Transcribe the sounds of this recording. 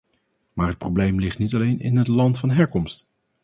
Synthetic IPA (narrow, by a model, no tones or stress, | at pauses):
maːɹɦət̚problejmlɪχtnitɑlejnɪ̰nɦətlɑntfɑnɦɛɹkɔmst